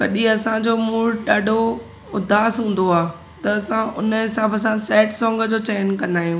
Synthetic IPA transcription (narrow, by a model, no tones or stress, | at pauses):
kɐɗiɐsãd͡ʑoːmuːɽɗaːɖʱo | ʊd̪ʱaːsɦũːn̆d̪oaː | t̪ɐɐsãʊnəɦɪsaːbʱəsãsɛːʈsɔ̃ːŋɡəd͡ʑoːt͡ɕɛːjnkɐ̃nd̪aːɦjũː